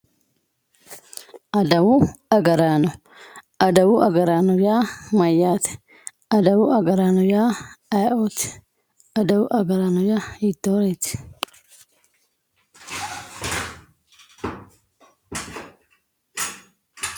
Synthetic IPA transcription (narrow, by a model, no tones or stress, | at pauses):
ʔɐd̪ɐwʊɐɡɐɾaːnɔ | ɐd̪ɐwʊʔɐɡɐɾaːnɔjaːmɐjːaːt̪ɛ̥ | ɐd̪ɐwʊʔɐɡɐɾaːnɔjaːajoːt̪ɛ̥ | ɐd̪ɐwʊʔɐɡɐɾaːnɔjait̪ːoːɾɛt̪ɪ̥